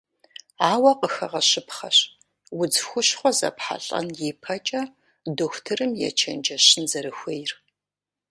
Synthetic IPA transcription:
aːwɐqəxɐʁɐɕɪpχɐɕ | wʊd͡zxʷʊɕχʷɔzɐ̰pħa̰ɬʼɐ̰njepʰɐt͡ʃʼɐ | doxʷtʰɨrɨmjɛ̰t͡ʃʰɐnd͡ʒɐɕɪnzɐɾɨxʷejr

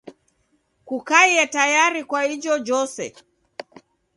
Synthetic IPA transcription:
kukaiɛtajaɾikwaid͡ʒɔd͡ʒɔsɛ̰

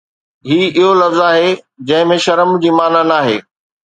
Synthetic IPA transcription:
ɦiːɪɦolɐfzaːɦe | d͡ʑɐ̃ɦɪ̃mẽʃɐɾəmd͡ʑiːmaːnanaːɦḛː

